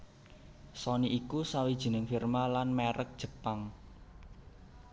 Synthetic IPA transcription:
sɔniʔikusawid̥ʒ̥ə̤nɪŋfirmalanmɛɾək̚d̥ʒ̥ə̤paŋ

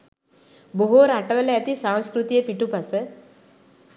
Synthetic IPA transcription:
boɦoɾaʈəʋələæt̪isaŋskɾut̪ijəpiʈupasə

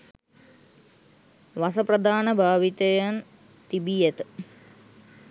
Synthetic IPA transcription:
ʋasəprɐd̪ʱaːnəbʱaːʋit̪əjan | t̪ibijet̪ə

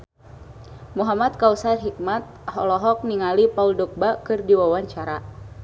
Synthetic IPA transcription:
muɦamat̪̚kausarɦik̚mat̪̚hɔ̰lɔɦɔk̚niŋalipauldɔk̚bakɨrdiwawaɲt͡ʃaɾa

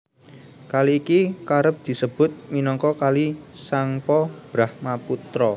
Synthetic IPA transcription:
kaliːkikaɾəp̚d̪̥i̤səb̥ʊ̤t̪̚minɔŋkɔkalisaŋpɔb̥ɾahmaput̪ɾɔ

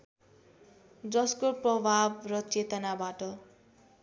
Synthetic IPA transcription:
d͡zʌskoprʌbʱabrʌt͡set̪ʌnabaʈʌ

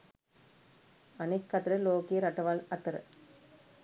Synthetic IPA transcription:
ɐnɪkːɐt̪ɾɐloːkiɾɐʈːɐʋaːlɐt̪ːɐɾ̰

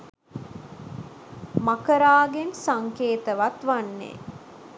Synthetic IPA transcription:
makəɾaːɡensaŋkeːt̪əʋat̪ʋanːḛ

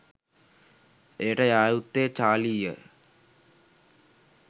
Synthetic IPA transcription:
eːʈɐjaːjut̪ːeːt͡ɕaːlijə̰

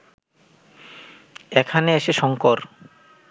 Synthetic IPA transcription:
ɛkʰaneeʃeʃɔŋkoɾ

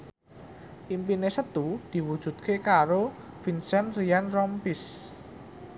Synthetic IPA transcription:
ʔimpinesət̪ud̪̥i̤wud̥ʒ̥ṳt̪̚kekaɾo | finsɛnrianrɔmpɪs

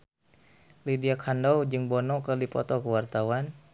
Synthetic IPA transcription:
lidiakʰandɔwd͡ʒɨŋbɔnɔkəlipɔ̰t̪ɔkəwart̪awan

